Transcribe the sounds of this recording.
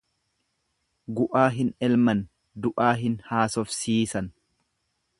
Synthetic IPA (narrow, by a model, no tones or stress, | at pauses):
ɡʊʔaːɦɪnɛlmɐn | d̪ʊʔaːɦɪnhaːsɔfsiːsɐn